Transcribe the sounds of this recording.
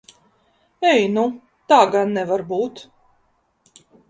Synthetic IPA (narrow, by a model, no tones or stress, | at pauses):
ɛjnu | t̪aːɡanːɛvaɾbuːt̪